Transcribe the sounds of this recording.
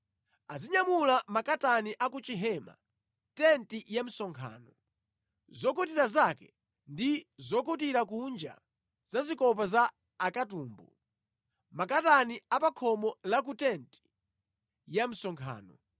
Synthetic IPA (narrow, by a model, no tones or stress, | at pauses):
aziɲamulamakataniʔakut͡ʃiɦɛma̰ | tɛntijam̩sɔŋkʰa̰ːnɔ | zɔkutiɾazakɛ | ndizɔkutiɾak̬und͡ʒa̰ | z̥azikɔp̬azaː | katuːmbu | makataniapakʰɔmɔlak̬utɛnti̥ | jam̩sɔŋkʰa̰ːnɔ